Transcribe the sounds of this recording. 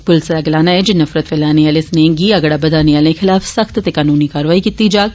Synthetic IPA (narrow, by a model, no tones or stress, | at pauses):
pʊlsaɡɪlaːnaɦɛd͡ʒɪnːɐfɾət̪ʋelaːneaːlesnẽɡiɐɡɽaːbɐd̪aːneaːlẽxʰɪlaːfsɐxt̪t̪ekaːnuːnikaːɾʋaːikit̪ːid͡ʒaːɡ